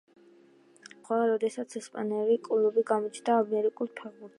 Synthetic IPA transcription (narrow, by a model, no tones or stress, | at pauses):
χwaɾɔd̪ɛsat̪sʰɛspʼanɛlikʼulˠubiɡamɔt͡ʃʰd̪aːmɛɾikʼulˠpʰɛʁbuɾt̪